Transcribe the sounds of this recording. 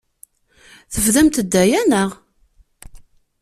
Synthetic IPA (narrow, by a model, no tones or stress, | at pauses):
θəfðæmt̪əd̪ːæjænəʁ